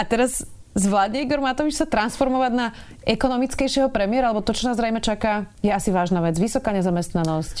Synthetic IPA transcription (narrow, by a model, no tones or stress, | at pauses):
at̪ɛɾaz | zʋlaːd̪ɲɛiɡɔɾmat̪ɔʋit͡ʃsat̪ɾansfɔɾmɔʋaɟna | ʔɛkɔnɔmit͡skɛjʃɪɛɦɔpɾɛmiɪɛɾalɛbɔt̪ɔt͡ʃɔnaːzɾɛjmɛt͡ʃakaːjɛasiʋaːʒnaʋɛd͡zʋisɔkaːɲɛzamɛst̪nanɔsc